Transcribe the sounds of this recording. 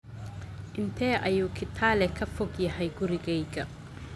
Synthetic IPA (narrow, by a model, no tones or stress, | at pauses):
ʔɪnt̪ʰɛːʔɐjuːkʰɪt̪ʰaːlɛkʰɐfɔɡjɐɦɛjɡʊɾɪɡɛjɡɐ